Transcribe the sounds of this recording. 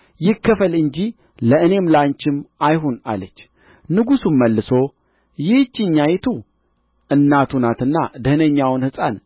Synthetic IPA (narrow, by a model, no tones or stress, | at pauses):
jɪkːəfəlɨɲd͡ʒi | ləɨne̞mlaɲt͡ʃɪmajɦona̰lət͡ʃː | nɨɡusumːəlːɨso̞ | jɪht͡ʃːɪɲːajt̪ʰu | ʔɨnːat̪ʰunat̪ɨnːad̪əhnəɲːawɨnhɨsʼa̰n